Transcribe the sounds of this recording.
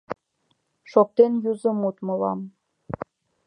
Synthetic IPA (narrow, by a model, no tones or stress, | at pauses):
ʃok̚t̪enjuzə̆mut̪mɤ̆lɑm